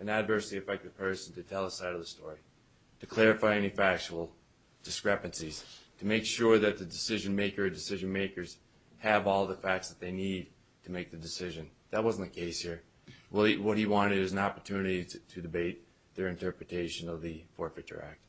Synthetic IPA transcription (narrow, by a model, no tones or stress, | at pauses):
ɨ̃nɨdvɜ˞sɹiɨfɛk̚t̚ɨ̥pʰɜ˞sn̩tʰɨtʰɛlˠəsaɪɾʌvðəstɔɹi | ɾɨkʰl̥ɛɹɨfaɪɛnifæk̚t͡ʃəl̩ˠ | d̥ɨskɹɛpɨ̃nsiz̥tʰɨmeɪkʃʊɹðɨt̪̚ðɨdɨsɪʒɨ̃nmeɪkə˞ɨ̃dɨsɪʒɨ̃nmeɪkə˞z̥ | ɨvɔlˠðəfæk̚tsðət̪̚ðeɪnid̚ | tʰɨmeɪk̚ðɨdɨsɪʒɨ̃nðɨt̚wʌzn̩tɨkʰeɪshiɹ | wʌwʌt̚hiwɑ̃ñɨɾɪzɨ̃nɑpə˞tʰʉnɨɾiɾɨdɨbeɪt̪̚ | ðə˞ɨ̃ntʰɜ˞pɹɨtʰeɪʃɨ̃nʌvðɨfɔɹfɨtʰə̰˞æ̰k̚t̚